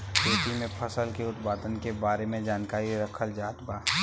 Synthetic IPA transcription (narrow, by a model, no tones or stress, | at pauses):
peːʈimẽpʰəsəlkeʊt̪paːd̪ənkebaːɾemẽd͡ʒaːnkaːɾiɾəkʰəld͡ʒaːt̪baː